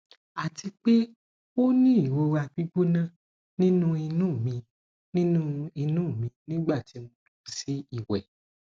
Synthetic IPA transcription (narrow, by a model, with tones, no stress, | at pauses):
a˨ti˧k͡pe˦ | o˦nĩ˦i˦˨wo˧wa˧˨k͡pi˦ɡ͡bu˦nã˦˨ | nĩ˦nũ˦i˧nũ˦˨mĩ˧ | nĩ˦nũ˦i˧nũː˦˨mĩ˧nĩ˦ɡ͡ba˦˨ti˨˦mũ˧du˨ku˨si˦i˦˨wɛ̰˨